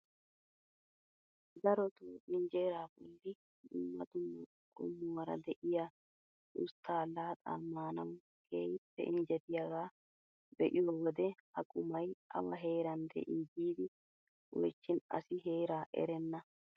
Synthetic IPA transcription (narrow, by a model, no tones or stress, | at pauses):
d̪ɐɾɔt̪oːʔɪnd͡ʒe̞ːɾaːbɔ̰lːɪ | dʊmːɐt̪ʊmːɐ | kʼʊ̰mːʊwɐɾɐ̰d̪ɛʔɪja | ʊst̪ːaːlaːt̪ʼa̰ːmaːnɐw | kḛːjɪpːɛ̰ʔɪnd͡ʒɛt̪ɪjɐɡaː | bɛʔɪjɔwɔd̪ɛhɐkʼʊmɐjɐ̰wɐɦe̞ːɾɐnd̪ɛ̰ʔiːd͡ʒiːd̪ɪ | wɔ̰jt͡ʃːɪnɐ̰sɪɦe̞ːɾaːʔɛ̰ɾɛnːɐ